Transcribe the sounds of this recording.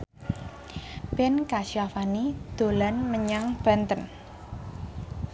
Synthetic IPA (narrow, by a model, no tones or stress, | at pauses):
b̥ɛnkaʃiafanid̪̥o̤lanməɲaŋb̥a̤nt̪ən